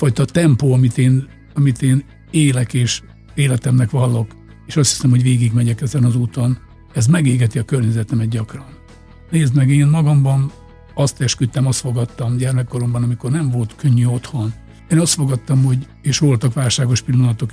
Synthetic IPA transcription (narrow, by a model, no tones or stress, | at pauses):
fɒjt̪ɒt̪ɛmpoːɒmit̪eːn | ɒmit̪eːn | eːlɛkeːʃ | eːlɛt̪ɛmnɛkʋɒlːo̞k | eːʃɒst̪hi̥sɛmho̞ɟʋeːɡiɡmɛɟɛkɛzɛnɒzuːt̪o̞n | ɛzmɛɡeːɡɛt̪iɒkørɲɛzɛt̪ɛmɛd̪̚ɟɒkrɒn | neːzd̪mɛɡeːnmɒɡɒmbɒn | ɒst̪ɛʃkyt̪ːɛmɒst̪fo̞ɡɒt̪ːɒmɟɛrmɛkːo̞ɾo̞mbɒnɒmiko̞rnɛɱvo̞lt̪køɲːyo̞t̪ho̞n | eːnɒst̪fo̞ɡɒt̪ːɒmho̞ɟ | eːʃʋo̞lt̪ɒkʋaːlʃaːɡo̞ʃpilːonɒt̪o̞k